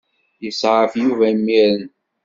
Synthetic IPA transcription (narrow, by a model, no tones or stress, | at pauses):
jəsəfjuvæmːiɾən